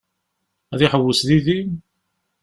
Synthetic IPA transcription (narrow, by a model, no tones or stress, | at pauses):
æðiħəwːəsðiði